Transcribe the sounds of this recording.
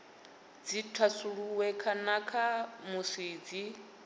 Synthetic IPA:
d͡zitʰasuɺuwɛkʰanakʰamusiːd͡zi

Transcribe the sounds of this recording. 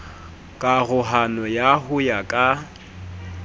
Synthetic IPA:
kʼaɣʊɦanɔjaɦʊjakʼa

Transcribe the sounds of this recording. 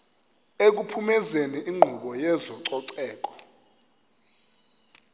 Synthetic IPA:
ek̬upʰumɛzeniʔiŋ͡ǃʱuɓɔjɛzɔǀɔǀɛːk̬ɔ̥

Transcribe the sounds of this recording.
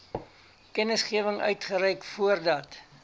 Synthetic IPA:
kɛnəsχiəvəŋœ̰ɥtχəɾɛjkfuərdɐt

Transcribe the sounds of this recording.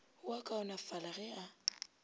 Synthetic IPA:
wakʼaʊnafalaɣɛa

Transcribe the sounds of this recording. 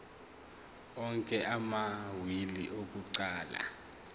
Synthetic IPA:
ɔŋkʼɛʔamawiliʔok̬uǀaːla̰

